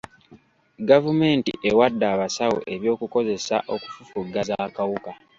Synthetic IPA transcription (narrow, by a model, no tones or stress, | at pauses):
ɡavume̞ːntḭʔewadːaːβasawo̰ʔe̞βjo̞ːkuko̞ze̞sa̰ʔo̞ku̥fufuɡːazaːkawuka